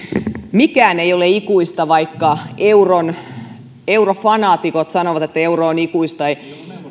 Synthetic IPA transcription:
mikæːneijoleikuist̪ɑʋɑikːɑeuron | eurofɑnɑːt̪ikot̪sɑnoʋɑt̪et̪ːæeuroːnikuist̪ɑi

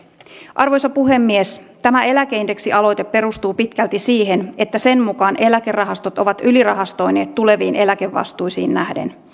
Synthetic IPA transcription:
ʔɑrʋo̞jsɑpuɦe̞mːiest̪æmæe̞læk̟einde̞ksiʔɑlo̞jt̪e̞pːe̞ɾust̪uːpit̪kælt̪isiːɦe̞ne̞t̪ːæse̞nmukɑːnʔe̞læke̞rːɑɦɑst̪o̞t̪o̞ʋɑt̪ylirɑɦɑst̪o̞jne̞ːt̪ːule̞ʋiːnʔe̞læk̟e̞ʋːɑ̰st̪ujsiːnnæhdḛn

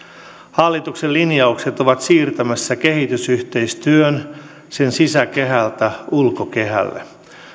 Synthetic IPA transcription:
hɑlːit̪uksellinjɑukse̞t̪oʋɑt̪siːrt̪æmæsːæke̞hit̪ysyht̪e̞jst̪yøn | se̞nsisæke̞ɦælt̪æulkoke̞ɦæ̰lːḛ

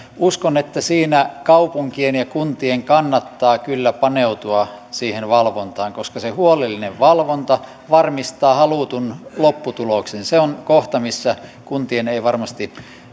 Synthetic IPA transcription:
uskonet̪ːæsiːnækɑupuŋkienjɑkunt̪ieŋkɑnːɑt̪ːɑːkylːæpɑneut̪uɑsiːhenʋɑlʋont̪ɑːŋkoskɑsehuolelːineʋʋɑlʋont̪ɑ | ʋɑrmist̪ɑːhɑluˑt̪unlopːut̪uloksenseonkoht̪ɑmisːækunt̪ieneiʋɑrmɑst̪i

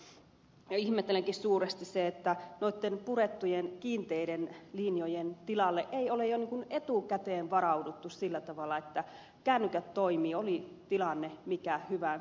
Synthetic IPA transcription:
jɑihmet̪ːeleŋkissuːrest̪isseet̪ːænoit̪ːenpuret̪ːujenkiːnt̪eiɾenlinjojent̪ilɑlːeʔeiolejjoniːŋkunet̪uˑkæt̪eːnʋɑɾɑudut̪ːussilːæt̪ɑʋɑlːˑɑet̪ːæ | kænːykæt̪toimiːolit̪ilɑnːemikæhyʋæ

